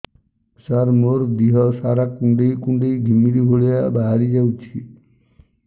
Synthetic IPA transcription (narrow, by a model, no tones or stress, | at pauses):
saɾmoɾd̪iɦɔsaɾakːuɳɖejkuɳɖejɡʱimːiɾibʱoɭeabaɦaɾid͡ʒawt͡ʃʰi